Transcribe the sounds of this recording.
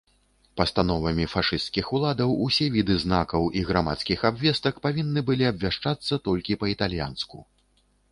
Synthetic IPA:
pɐst̪anɔvɐmʲifaʂɨst̪̚kʲixulˠad̪ɐwusʲɛvʲid̪ɨznakɐwʔiɣɾama̰t̪skʲixabvʲɛst̪ɐkpavʲinːɨbɨlʲiɐbʲvʲaʂt͡ʂat̪sːɐt̪ɔlʲkʲipɐit̪alʲja̰nsku

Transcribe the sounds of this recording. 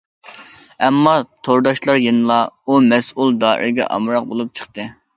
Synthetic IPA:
ɛmːɑt̪ʰoɾd̪ɑʃlˠɑɾjɨnɨlˠɑumɛsulˠd̪ɑːʔḭɾɡʲɛ̰ʔɑ̰mɾɑq̚bolˠup̚t͡ʃʰə̥χt̪ɨ

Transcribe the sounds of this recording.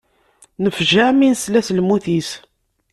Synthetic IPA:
nəfʒæminslæslmuθis

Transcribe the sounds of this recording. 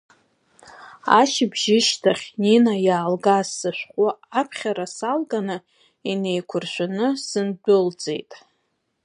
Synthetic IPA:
a̰ʃɪbʒɪʃtʰaχʲninajaːlɡasːɨʃᶣʷqʷʼʊapʰχʲaɾasalɡʼanɨ | inejkʷʰʊrʃʷᶣanɨsɨndʊld͡zʼe̞̰jtʼ

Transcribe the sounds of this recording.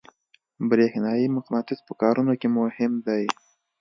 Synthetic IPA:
bɾexnɑjimʊqnɑt̪ɪzpəkɑɾunokemʊhɪmd̪aj

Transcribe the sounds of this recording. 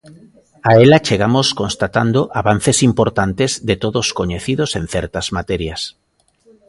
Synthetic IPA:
aelat͡ʃeɣamoskonst̪at̪and̪oʔaβan̟θesimpoɾt̪ant̪ezðet̪oðoskoɲeθiðosẽn̟θɛɾt̪azmat̪ɛɾjas

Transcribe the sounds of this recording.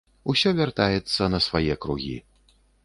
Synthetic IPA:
usʲɔvʲart̪ajɛt̪sːɐnɐsvajɛkɾuɣʲḭ

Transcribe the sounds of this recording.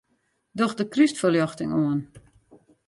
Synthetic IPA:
dɔxdəkrystfəljɔxtɪŋuən

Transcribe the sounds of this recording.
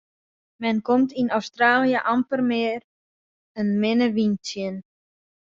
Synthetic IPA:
mɛnkomtinɔwstraːlijəʔampərmɪːr | ənmɪnəʋintjən

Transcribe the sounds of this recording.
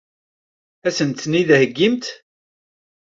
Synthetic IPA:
æsənt̪ːniðhəɡːimt̪

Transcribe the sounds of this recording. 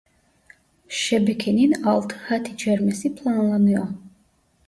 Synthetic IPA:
ʃɛbɛkʰɛninalˠt̪ʰhat̪ʰid͡ʒɛɾmɛsipʰlˠanlˠanujɔ

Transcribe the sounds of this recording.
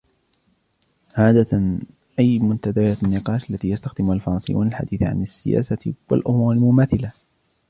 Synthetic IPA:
ʕaːd̪a | ʔajmʊnt̪ad̪ajaːanːɪqɑːʃalːat̪iːjast̪axd̪ɪmʊhalfɑɾˤɑnsˤɨjːṵːnalħa̰d̪iːθʕa̰nasːɪja̰ːsawa̰lʔʊmuːɾˤɪlmʊmaːθɪla

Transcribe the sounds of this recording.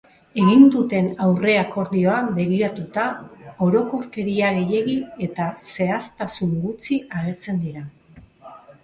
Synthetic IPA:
e̞ɣind̪ut̪e̞nawre̞ako̞ɾðio̞abe̞ɣiɾat̪ut̪ao̞ɾo̞ko̞ɾke̞ɾiaɣe̞je̞ɣie̞t̪ase̞ast̪asuŋɡut͡siaɣ̞e̞ɾt͡se̞nd̪iɾa

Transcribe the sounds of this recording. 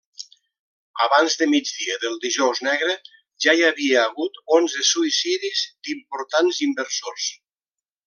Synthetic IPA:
a̰βanzðəmid͡ʒðiəðəlˠd̪iʒɔwznɛɣɾe | ʒaiaβieːɣut̪onzesuisiðizd̪impoɾt̪anzimbəɾsors

